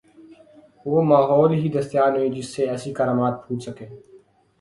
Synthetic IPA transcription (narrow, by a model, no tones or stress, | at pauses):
ʋoːmaːɦɔːlɦid̪əst̪jaːnɦoĩd͡ʒɪsːeɛːsikaːɾaːmaːt̪̚pʰuːt͡ʃsəkeː